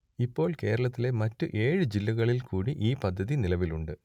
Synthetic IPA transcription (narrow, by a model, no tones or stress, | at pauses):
ipːo̞ːɭke̞ːɾɐɭɐt̪ːile̞mɐtːuʔe̞ːɻɨd͡ʑilːɐɣɐɭilkuːɽiʔiːpɐd̪ʱːɐðinilɐʋiluɳɖɨ